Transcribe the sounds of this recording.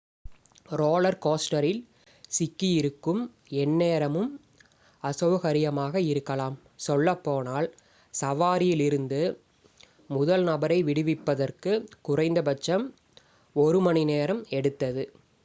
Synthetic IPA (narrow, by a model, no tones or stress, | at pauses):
ɾoːlɐɾkoːsʈɐɾɪl | sɪkːijɪɾɯkːɯm | ɛnːeːɾɐmɯm | ɐsɐʋɐɣɐɾɪjɐmaːɣɐɪɾɯkːɐlaːm | sɔlːɐpːoːnaːl | sɐʋaːɾɪjɪlɪɾɯnd̪ɯ | mʊðɐlnɐbɐɾɐɪʋɪɽɯʋɪpːɐðɐrkɯkʊrɐɪnd̪ɐbɐt͡ʃːɐm | ɔɾɯmɐɳineːɾɐmɛɽɯt̪ːɐðɯ